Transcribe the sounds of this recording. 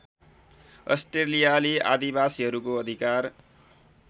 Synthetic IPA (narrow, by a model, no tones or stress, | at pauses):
ʌ̰sʈrelijalea̰d̪ibasiɦʌɾukoʌd̪ʱikar